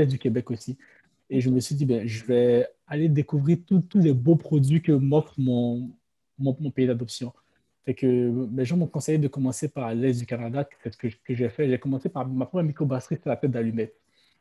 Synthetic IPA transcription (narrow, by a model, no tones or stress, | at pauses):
ɛsd̪ykʲebɛkosi | eʒəməsɥid̪ibɛ̃ʒəvɛ | aled̪ekuvʁiʁt̪ut̪ulɛbopχɔd̪ɥikəmɔfχmɔ̃ | mɔ̃mɔ̃peid̪ad̪ɔpsjɔ̃ | fɛkəlɛʒɑ̃mɔ̃kɔ̃sɛjd̪əkɔmɑ̃sepaʁlɛzd̪ykanad̪aksɛsə̥kəə̥kəʒɛfɛʒəvɛkɔmɑ̃sepaʁmapχɔmɛmikobastχiset̪ɛlat̪ɛt̪̚d̪alymɛt̪